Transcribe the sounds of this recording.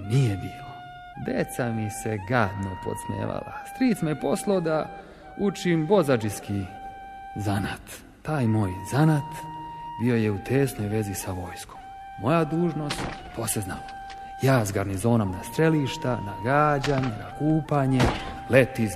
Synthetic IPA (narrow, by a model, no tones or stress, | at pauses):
nijebiːlo | d̪e̞t̪samiseɡad̪nopo̰t̪smḛːʋa̰la̰st̪ɾiːsmepo̞slˠod̪a | ut͡ʃimbo̞zad͡ʒiski | zanat̪ː | aːjmo̞ːjzanat̪bio̞jeut̪ʰeːsno̞jʋe̞zisaʋo̞jsko̞mː | o̞jad̪uːʒno̞st̪p̪ʰoːseznam | jaːzɡaɾnizo̞ːnomnast̪ɾeliʃt̪anaɡaːd͡ʑaɲenakuːpaɲe | let̪i